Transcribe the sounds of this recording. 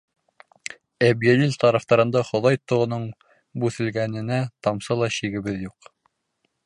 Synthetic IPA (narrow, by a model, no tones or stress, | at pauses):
æbjælilt̪ɑɾɑft̪ɑɾɤ̆nd̪ɑχŏðɑjt̪ŏʁŏnɤɴ | bʉθɘ̆lɡænɘ̆næt̪ɑmsɤlˠɑɕiɡɘ̆βɘðjuq